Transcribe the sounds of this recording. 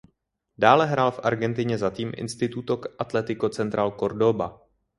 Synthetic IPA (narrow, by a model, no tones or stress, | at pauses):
daːlɛɦɾaːlfʔa̰ɾɡɛnt̪ɪɲɛzat̪iːmʔɪ̰nst̪ɪt̪ut̪okʔat̪lɛt̪ɪkot͡sɛnt̪ɾaːlko̞ɾdo̞ba